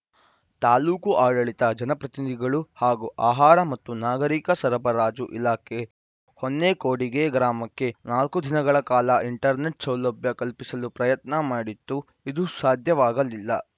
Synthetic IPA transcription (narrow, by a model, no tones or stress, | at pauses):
t̪aːluːkuʔaːɽɐɭit̪ɐd͡ʒɐnɐpɾɐt̪inid̪ʱiɡɐɭuhaːɡuʔaːɦaːɾɐmɐt̪ːunaːɡɐɾiːkɐsɐɾɐbɐɾaːd͡ʒuʔilaːkʰe | honːekoːɽiɡe̞ɡɾaːmɐkːe̞naːlkud̪ʱinɐɡɐɭɐkaːlɐʔiɳʈɐɾneʈsɐwlɐbjɐkɐlpisɐlupɾɐjɐt̪nɐmaːɽit̪ːu | id̪usaːd̪ʱjɐʋaːɡɐlilːɐ